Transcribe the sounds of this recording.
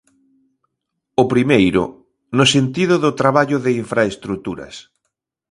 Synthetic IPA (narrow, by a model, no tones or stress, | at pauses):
opɾimejɾʊ̰ | nʊsent̪iðʊðʊt̪ɾaβaʎʊðɪiɱfɾaest̪ɾut̪uɾɐ̰s